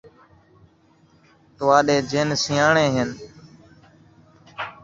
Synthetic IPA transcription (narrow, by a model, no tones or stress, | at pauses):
t̪ʊʋaːɗeːd͡ʒeːnsɪjaːɳeːɦɪn